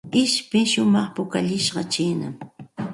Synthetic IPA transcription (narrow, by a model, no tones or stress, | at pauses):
ɪʃpɪʃʊmɑχpʊkaʎɪʃɢɑt͡ʃiːna̰m